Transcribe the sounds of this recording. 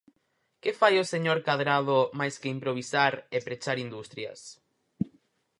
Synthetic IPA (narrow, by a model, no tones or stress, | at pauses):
kefajoseɲoɾkaðɾaðʊmajskɪimpɾoβ̞isaɾepɾet͡ʃaɾind̪ust̪ɾjɐ̰s